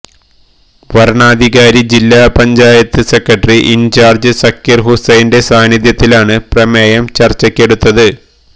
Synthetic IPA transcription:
ʋɐɾɳaːd̪ʱiɣaːɾid͡ʑilːaːpɐɲd͡ʑaːjɐt̪ːɨse̞kːɐʈriʔint͡ɕaːrd͡ʑɨsɐkːjɐrɦusejnde̞saːnjiðjɐt̪ːilaːɳɨprɐmeːjɐmt͡ɕɐrt͡ɕːɐkʲːe̞ɽut̪ːɐðɨ

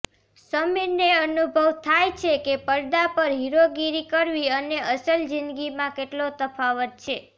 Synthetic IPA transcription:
səmineənubʱəʋt̪ʰajt͡ʃʰekepəɾd̪apəɾɦiɾoɡiɾikəɾʋiəneəsəld͡ʒinɡimãkeʈlot̪əfʰaʋət̪̚t͡ʃʰe

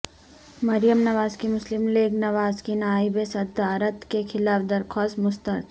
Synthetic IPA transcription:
mɐɾjəmnɐʋaːzkimʊslɪmleːɡnɐʋaːzkinaːibesɐd̪aːɾət̪kexʰɪlaːfd̪ɐɾkʰɔːst̪mʊst̪əɾt̪

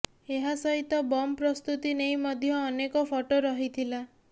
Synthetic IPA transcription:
eɦasɔɦit̪ɔbɔmpɾɔst̪ut̪inejmɔd̪ʱjɔːnekɔpʰɔʈoɾɔɦit̪ʰila

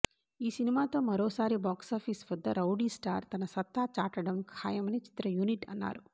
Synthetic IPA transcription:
iːsinimaːt̪o̞ːmɐɾoːsaːɾibaːksaːpʰiːsʋɐd̪ːɐɾɐwɖiːsʈa̰ːɾt̪ɐnɐsɐt̪ːaːt͡ʃaːʈɐɽɐmkʰaːjɐmɐnit͡ʃi̥t̪ɾɐjuniʈɐ̰nːa̰ːɾu

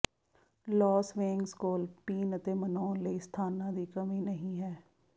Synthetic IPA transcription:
lɔːsʋẽːŋɡskoːlpiːnət̪eːmənɔːnləiːst̪ʰaːnãːd̪iːkəmĩːnəɦĩːɦɛː

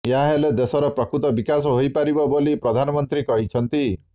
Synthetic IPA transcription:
jaɦeled̪esɔɾɔpɾɔkɾut̪ɔbikasɔɦojpaɾibɔbolipɾɔd̪ʱanɔmɔnt̪ɾikɔɦit͡ʃʰɔnt̪i

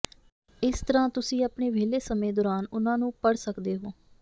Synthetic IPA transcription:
ɪst̪əɾãːt̪ʊsĩːaːpɳeːʋeːleːsəmẽːd̪ɔːɾaːnʊnãːnũːpəɽsəkd̪eːɦoː

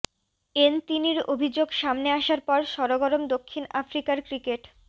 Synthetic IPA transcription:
ent̪iniɾobʱid͡ʑoɡʃamneaʃaɾpɔɾʃɔɾoɡɔɾomd̪okʰːinafɾikaɾkɾikeʈ

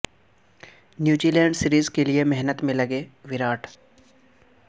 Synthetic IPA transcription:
njuːd͡ʒiːlɛ̃ːɳɖsɪɾiːzkeliemɛɦnət̪mẽlɐɡeʋɪɾaːʈʰ

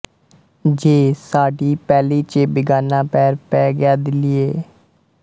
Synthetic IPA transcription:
d͡ʒeːsaːɖiːpɛːliːt͡ʃebɪɡaːnãːpɛːɾpɛːɡɪjaːd̪ɪlɪeː

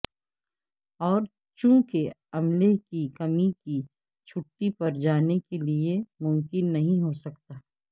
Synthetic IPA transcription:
ɔːɾ | t͡ʃũːkeɐmlekikɐmiki | t͡ʃʰʊʈːipɐɾd͡ʒaːnekeliemʊ̃mkɪnːɐɦĩɦosɐkt̪aː

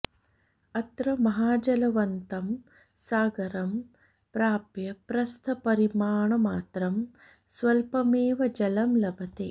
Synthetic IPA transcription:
ɐt̪ɾɐmɐɦaːd͡ʒɐlɐʋɐnt̪ɐm | saːɡɐɾɐm | pɾaːpjɐpɾɐst̪ʰɐpɐɾimaːɳɐmaːt̪ɾɐm | sʋɐlpɐmeːʋɐd͡ʒɐlɐmlɐbʱɐt̪eː

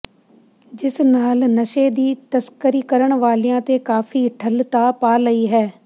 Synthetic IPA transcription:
d͡ʒɪsnaːlnəʃeːd̪iːt̪əskəɾiːkəɾəɳ̃ʋaːlijãːt̪eːkaːfʰiːʈʰəlt̪aːpaːləiːɦɛː

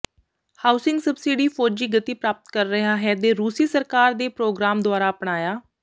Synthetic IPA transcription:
haːʊsɪ̃ŋɡsəbsiːɖiːpʰoːd͡ʒiːɡət̪iːpɾaːpət̪kəɾːəɦaːɦɛːd̪eːɾuːsiːsəɾkaːɾd̪eːpɾoːɡɾaːmd̪oʊaːɾaːəpɳaːjaː

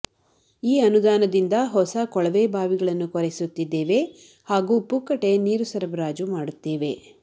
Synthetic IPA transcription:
iːɐnud̪aːnɐd̪ind̪ɐɦɔsɐkɔɭɐʋeːbʱaːʋiɡɐɭɐnːukɔɾesut̪ːid̪ːeːʋe̞ | haːɡuːpukːɐʈe̞niːɾusɐɾɐbɾaːd͡ʒumaːɽut̪ːeːʋe̞

